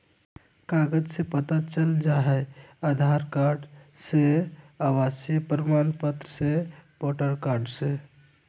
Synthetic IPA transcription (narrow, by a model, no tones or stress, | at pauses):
kaɡəd͡ʒsẽpət̪at͡ʃəld͡ʒaɦɛad̪ʱaɾkaɾɖseawasjəpɾəmanpət̪ɾəsepɔʈəɾkaɾɖse